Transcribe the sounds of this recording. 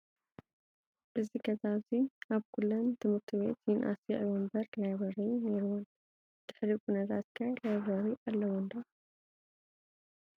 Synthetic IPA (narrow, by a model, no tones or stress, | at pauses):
ʔɨziɡɐzaβziʔaβkʰulːomt̪ʰɨmɨɾt̪ʰiβe̞̰t̪jinʔa̰siʕβɔmbɐɾlajaβɐrɐjne̞ɾiwun | d̪̥ɨħɾikʼunɐt̪ʰat̪kʰalajaβɐɾiʔalːɐwɔnd̪ɐ